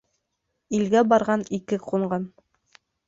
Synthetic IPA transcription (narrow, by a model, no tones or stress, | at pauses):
ilɡæbɑɾʁɑnikɘqʰuɴɢɑn